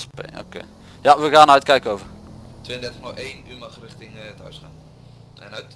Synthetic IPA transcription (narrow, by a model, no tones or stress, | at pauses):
spḛo̰kḛː | jaʋəaːnœɥt̚kɛjkəowvətʋeːəndɛrtəχnɔχejnymɐχrɪχtɪŋətœ̰ɥsχaːn | ɛ̰nɦœɥt